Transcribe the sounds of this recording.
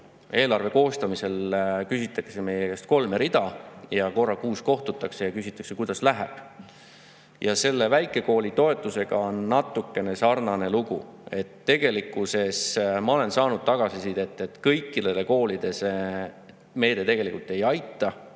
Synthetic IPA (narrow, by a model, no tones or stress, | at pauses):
e̞ːlɑrve̞ko̞ːst̪ɑmise̞lkysit̪ːˑɑkse̞me̞jeest̪̚ko̞lmeɾid̪̥ɑjɑko̞rːɑkuːsko̞ht̪ut̪ːˑɑkse̞jɑkysʲit̪ːˑɑ̥kse̞kujd̪̥ɑslæɦæb̥ | jɑse̞lːe̞væjkːˑe̞ko̞ːlit̪o̞e̞t̪ˑːuse̞ɡ̥ɑo̞nːɑt̪ːˑukːˑe̞ne̞sɑrnɑne̞luɡ̥ṵe̞t̪ːe̞ɡ̥e̞likːuse̞smɑo̞le̞nsɑːnud̪̥̚t̪ɑɡ̥ɑsisit̪e̞t̪ːˑe̞t̪kɤjkːˑid̪ed̪eko̞ːlid̪̥e̞se | me̞jd̪̥e̞t̪e̞ɡ̥e̞likult̪ːˑe̞jɑjt̪ːˑɑ